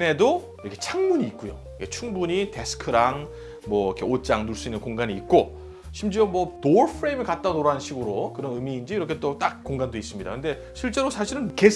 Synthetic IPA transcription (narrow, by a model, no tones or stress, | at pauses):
ne̞do | iɾʌkʰe̞t͡ɕʰaŋmuɲiːt̚k͈ujo̰ | kʰet͡ɕʰuŋbuɲite̞sʰɯ̥kʰɯɾaŋ | mwʌkʰe̞ot͡ɕ͈aŋnuɭs͈uinːɯnkoŋɡaɲiːt̚k͈o | ɕʰimd͡ʑiomwʌtoɾpʰɯɾemɯɭkat̚t͈anoɾanɕʰiɡɯɾokɯɾʌnɯmiːnd͡ʑiːɾʌkʰe̞t͈ot͈ak̚k͈oŋɡandois͈ɯmɲida̰kɯnde̞ | ɕʰiɭt͡ɕ͈e̞ɾosʰaɕʰiɾɯnke̞